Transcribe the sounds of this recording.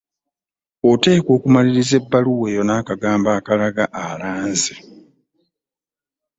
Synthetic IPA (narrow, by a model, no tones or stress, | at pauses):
ote̞ːko̞ːkumaliɾize̞bːaluwe̞jo̞naːkaɡaːmbaːkalaɡaʔalaːnze̥